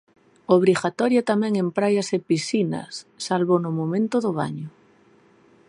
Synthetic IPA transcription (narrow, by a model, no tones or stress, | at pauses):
oβɾiɣat̪ɔɾjat̪amɛ̃ŋẽmpɾajasepisina̰sːalβonʊmomẽnt̪ʊðʊβa̰ɲʊ